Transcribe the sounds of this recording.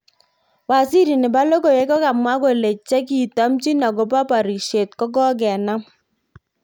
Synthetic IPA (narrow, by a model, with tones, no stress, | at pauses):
wa˨si˦ɾi˨nɪ˨ba˦lo˦ko˨jɛ˨˦kɔ˦ka˨mwa˦ko˨le˨t͡ʃɛ˦ki˨tɔ˨˦mt͡ʃi˦na˨ɡo˨pa˦pa˨ɾi˨ʃe˨tkɔ˦ɡɔ˦ɡɛ˨na˦m